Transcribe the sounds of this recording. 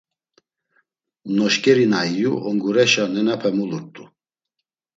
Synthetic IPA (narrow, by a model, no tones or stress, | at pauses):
nɔʃkʼɛɾinaijṵʔɔŋɡuɾɛʃanɛnapʰɛmuluɾt̪ʼu